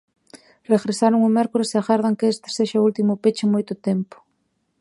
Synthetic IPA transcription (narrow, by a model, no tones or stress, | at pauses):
reɣɾesaɾʊŋʊmɛɾkoɾɪseaɣaɾðaŋkeest̪ɪ̥seʃault̪imʊpet͡ʃɪmojt̪ʊt̪empʊ̥